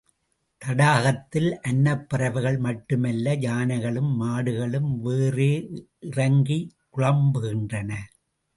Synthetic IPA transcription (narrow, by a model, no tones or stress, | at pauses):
t̪ɐɽaːɣɐt̪ːɪlʔɐnːɐpːɪrɐʋɯɣɐɭmɐʈːɯmɐlːɐd͡ʒaːnɐɪɣɐɭɯmːaːɽɯɣɐɭɯmʋeːreː | ɪrɐŋɡikʊɻɐmbɯɣɪndrɐnɐ